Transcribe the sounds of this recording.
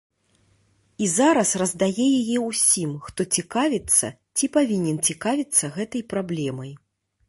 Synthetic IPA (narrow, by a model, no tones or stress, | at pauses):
izaɾɐsrɐzd̪ajɛjajɛusʲimxt̪ɔt͡sʲikavʲit̪sːɐ̰ | t͡sʲipavʲinʲɛnt͡sʲikavʲit̪sːɐɣɛt̪ɐjpɾablʲɛmɐj